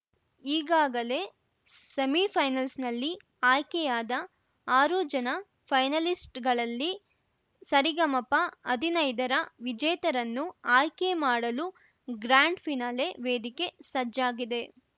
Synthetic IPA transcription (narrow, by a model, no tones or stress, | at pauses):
iːɡaːɡɐle̞ | sɐmipʰɐjnɐlsnɐlːi | aːjkɛjaːd̪ɐ | aːɾuːd͡ʒɐnɐ | pʰɐjnɐlisʈɡɐɭɐlːi | sɐɾiɡɐmɐpːɐɐd̪ʱinɐjd̪ɐɾɐʋid͡ʒɐjt̪ɐɾɐnːuaːjkemaːɽɐlu | ɡɾaːɳɖpʰinaːle̞ʋeːd̪ike̞sɐd͡ʒaːɡid̪e̞